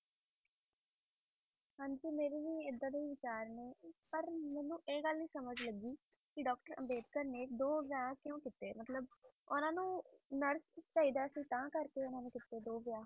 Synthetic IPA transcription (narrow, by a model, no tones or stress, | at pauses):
ɦãːɲd͡ʒiːmeːɾeːʋiːɪd̪ːãːd̪eːʋɪt͡ʃaːɾneːpəɾmɛːnũːʔeːɡəlnĩːsəməd͡ʒləɡiː | kɪɖɔːkʈəɾə̰beːd̪kəɾneːk̚d̪oːʋjaːkjõːkɪt̪eːmət̪ləb̚ | ʊnãːnũːnəɾst͡ʃaːiːd̪aːəsĩːt̪ãːkəɾkeːʊnãːnẽːkɪt̪eːd̪oːʋjaː